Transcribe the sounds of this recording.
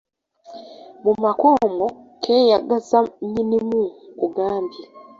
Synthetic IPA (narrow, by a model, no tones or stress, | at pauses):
mumakomɡo | kʰeːjaɡazaɲinimukuɡaːmbi